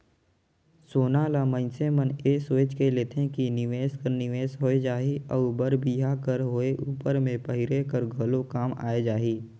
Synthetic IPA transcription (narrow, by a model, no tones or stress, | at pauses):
soːnaːlamə̃nseməneːsweːt͡ʃkeleːt̪ʰẽkinɪʋeːskəɾnɪʋeːsɦoːed͡ʒaːiɔːbəɾbiːɦakəɾɦoːeʔuːpəɾmẽpəɦɪɾekəɾɡʱɐlokaːma̰ːed͡ʒaːɦiː